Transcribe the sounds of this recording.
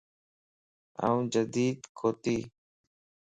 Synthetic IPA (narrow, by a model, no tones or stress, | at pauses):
ə̰ũːd͡ʒəd̪iːd̪kʰoːt̪iː